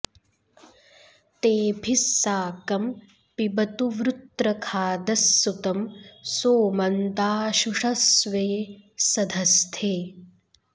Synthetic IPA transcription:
t̪eːbʱisːaːkɐm | pibɐt̪uʋɾut̪ɾɐkʰaːd̪ɐsːut̪ɐmsoːmɐnt̪aːʃuʂɐsʋeːsɐd̪ʱɐst̪ʰeː

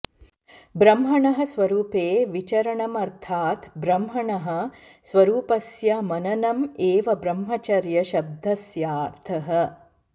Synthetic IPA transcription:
bɾɐmɦɐɳɐɦɐ̆sʋɐɾuːpeːʋit͡ʃɐɾɐɳɐmɐɾt̪ʰaːt̪bɾɐmɦɐɳɐɦɐ̆ | sʋɐɾuːpɐsjɐmɐnɐnɐmeːʋɐbɾɐmɦɐt͡ʃɐɾjɐʃɐb̚d̪ʱɐsjaːɾt̪ʰɐɦɐ̆

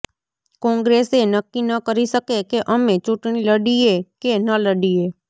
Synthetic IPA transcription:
kɔ̃ŋɡɾesenəkːinəkəɾiʃəkekeʔəmet͡ʃuʈɽ̃iləɽiekenələɽie

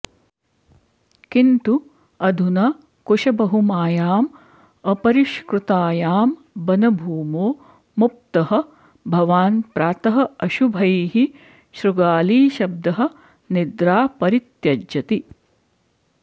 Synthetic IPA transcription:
kint̪u | ɐd̪ʱunɐ | kuʃɐbɐɦumaːjaːm | ɐpɐɾiʃkɾut̪aːjaːm | bɐnɐbʱuːmoː | mup̚t̪ɐɦɐ̆ | bʱɐʋaːnpɾaːt̪ɐɦɐ̆ɐʃubʱɐjɦi | ʃɾuɡaːliːʃɐb̚d̪ɐɦɐ̆ | nid̪ɾaːpɐɾit̪jɐd͡ʒjɐt̪i

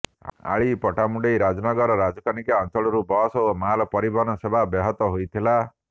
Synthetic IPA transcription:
a̰ɭipɔʈamuɖejɾad͡ʒɔnɔɡɔɾɔɾad͡ʒɔkanikaɔnt͡ʃɔɭɔɾubɔsomalɔpɔɾibʱɔnɔsebabɛɦɔt̪ɔɦojt̪ʰila

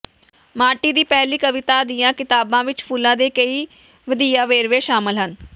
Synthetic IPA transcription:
maːʈiːd̪iːpɛɦliːkəʋɪt̪aːd̪ɪːãːkɪt̪aːbãːʋɪt͡ʃpʰʊlãːd̪eːkəiː | ʋəd̪iːaːʋeːɾʋeːʃaːməlɦən

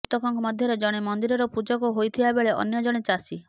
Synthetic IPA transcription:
t̪ɔkʰɔŋkɔmɔd̪ʱjɔɾed͡ʒɔɽ̃emɔnd̪iɾɔɾɔpud͡ʒɔkɔɦojt̪ʰibabeɭeʔɔ̰njɔd͡ʒɔɽ̃et͡ʃasi

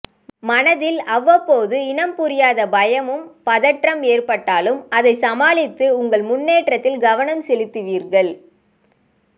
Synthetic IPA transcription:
mɐnɐðɪlɐʋːɐpːoːðɯɪnɐmpʊɾɪjaːðɐbɐjɐmɯmpɐðɐʈrɐmeːrpɐʈːaːlɯmɐðɐɪsɐmaːɭɪt̪ːɯʊŋɡɐɭmʊnːeːʈrɐt̪ːɪlɡɐʋɐnɐmsɛlɪt̪ːɯʋiːɾɣɐɭ

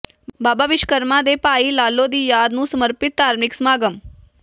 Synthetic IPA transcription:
baːbaːʋɪʃkəɾmãd̪epaːilaːlːod̪iːjaːd̪nũsəməɾpɪt̪̚ːaːɾmɪksmaːɡəm

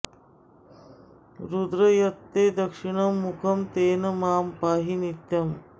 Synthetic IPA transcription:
ɾud̪ɾɐjɐt̪ːeːd̪ɐkʂiɳɐmːukʰɐmt̪eːnɐmaːmpaːɦinit̪jɐm

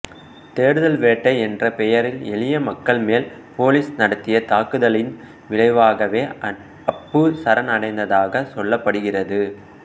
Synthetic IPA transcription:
t̪eːɾɯðɐlʋeːʈːɐɪɛndrɐpɛjɐɾɪlɛɭɪjɐmɐkːɐɭmeːlpoːlisnɐɽɐt̪ːɪjɐt̪aːkɯðɐlɪn | ʋɪɻɐɪʋaːɣɐʋeː | ɐpːɯsɐɾɐnɐɽɐɪnd̪ɐðaːɣɐsɔɭːɐpːɐɽɯɣɪrɐðɯ

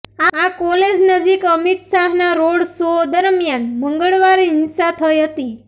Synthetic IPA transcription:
aakɔled͡ʒnəd͡ʒikəmit̪saɦnaɾoɽsod̪əɾmjanməŋɡəɭʋaɾiɦɪnsat̪ʰəjɦət̪i

